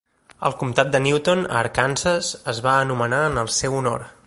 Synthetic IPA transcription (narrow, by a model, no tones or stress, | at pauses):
ə̰lˠkumt̪at̪̚d̪əniwt̪onə̰ːɾkansəzəzβaənumənaənəlˠsɛwuno̰ɾ